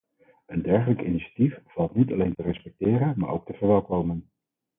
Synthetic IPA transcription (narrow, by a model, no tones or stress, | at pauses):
əndɛɹχələkɪ̰niʃḁtifv̥ɑlˠtnitɑlejntərɛspɛk̚tɪːɾənma̰ːɹʔo̰wktəvəɹʋɛlˠkowmən